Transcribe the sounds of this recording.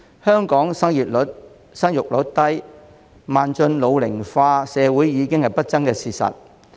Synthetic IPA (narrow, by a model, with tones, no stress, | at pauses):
hœː˥ŋkɔː˨˥ŋsɐ˥ŋjiː˨˩t̚t̚ | sɐ˥ŋjʊ˨k̚lɵ˨˥t̚t̪ɐ˥j | maː˨nt͡sɵ˧nlo˨˧wlɪ˨˩ŋfaː˧sɛː˨˧wuː˨˥jːiː˨˧kɪ˥ŋhɐ˨jpɐ˥t̚t͡sɐ˥ŋkɛː˧siː˨˧sɐ̰˨t̚